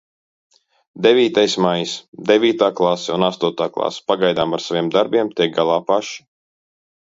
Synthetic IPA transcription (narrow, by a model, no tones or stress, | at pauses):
d̪ɛvʲiːt̪ajsmajisd̪evʲiːt̪aːklˠasɛunast̪uɔt̪aːklˠa̰spaɡajd̪aːmaɾsavʲiɛmd̪aɾbʲiɛmt̪ʲiɛk̚ɡalˠaːpaʃi̥